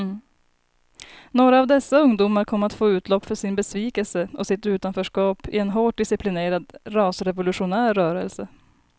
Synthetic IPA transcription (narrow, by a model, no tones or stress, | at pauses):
noːɾaːvd̪ɛsːaɵŋd̪uːmaɾkʰɔmːat̪foːʉ̟ːt̪ʰlɔpːfœʂɪnbɛsviːkəlsəʔɔsɪt̪ʉ̟ːt̪anfœːʂkɑːpɪ̰ɛnɦoːʈ̚ɖɪsɪpʰlɪneːɾad̪ɾɑːsɾɛvʊlɵʂʊnæːɾːœːɾəlsə